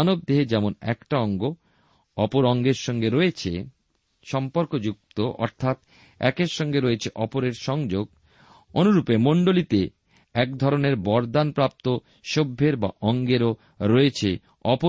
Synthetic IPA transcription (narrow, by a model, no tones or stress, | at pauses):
nob̚d̪eɦed͡ʑɛmonɛ̰kʈaɔŋɡo | ɔpoɾɔŋɡeɾʃɔŋɡeɾɔet͡ɕʰḛ | ʃɔmpoɾkod͡ʑuk̚t̪oʔɔ̰ɾt̪ʰat̪ | ɛ̰keɾʃɔŋɡeɾɔet͡ɕʰeʔɔpoɾeɾʃɔŋd͡ʑoɡ̚ | onuɾupemoɳɖolit̪e | ɛkd̪ʱɔɾoneɾbɔɾd̪anpɾap̚t̪o | ʃobʱːeɾba̰ʔɔŋɡeɾo | ɾɔet͡ɕʰe | ɔpo